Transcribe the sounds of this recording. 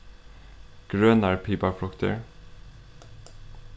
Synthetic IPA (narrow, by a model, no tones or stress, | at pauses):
ɡ̥ɾøːnaɾpʰiːpaɾfɾɔkt̪ʰə̰ɹ